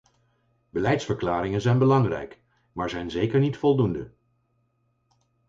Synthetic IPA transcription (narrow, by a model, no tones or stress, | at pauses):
bəlɛjtsfəɹklaːɾɪŋənzɛjnbəlɑŋrɛ̰jk | maːɹzɛjnzejkəɹnitfɔlˠdundə̰